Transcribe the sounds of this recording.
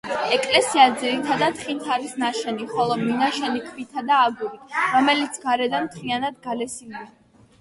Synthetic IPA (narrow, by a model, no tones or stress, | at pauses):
ɛkʼlɛsiad̪ziɾit̪ʰad̪at̪χint̪ʰaɾisnaʃɛniχɔlˠɔminaʃɛnikʰvit̪ʰad̪aːɡuɾiɾɔmɛlit̪sʰɡaɾɛd̪anmt̪ʰɾianad̪̚ɡalɛsimd̪i